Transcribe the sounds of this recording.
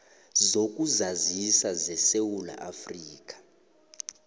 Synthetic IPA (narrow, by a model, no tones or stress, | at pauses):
zok̬ʼuzazisazɛsewula̰ʔafriːk̬ʼḁ